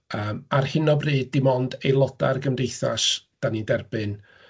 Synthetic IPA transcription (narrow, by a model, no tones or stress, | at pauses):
əːmarhɪnɔbriːd̚ɪmɔndejlˠɔd̥a̰rɡəmdejθa̰sd̥anidɛrbɨn